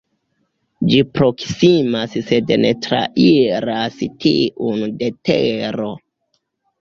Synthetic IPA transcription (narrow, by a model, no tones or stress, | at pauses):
d͡ʒipɾo̞ksimasse̞dnetɾa̰ʔiɾastʰḭʔunde̞teɾo̞